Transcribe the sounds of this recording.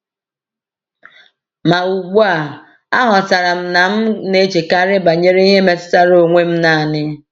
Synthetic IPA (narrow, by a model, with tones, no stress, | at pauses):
ma˨u˨ɡ͡bu˦a˨ | a˦ɦɔ˨sa˨ɾa˨m̩˦na˨m̩˦ne˦t͡ʃi˨ka˦ɾɪ˦ba˨ɲe˦ɾe˦i˦ɦe˦me˨tɪ̥˦ta˦ɾo˨ŋʷe˦m̩˦na˨a˨nɪ˦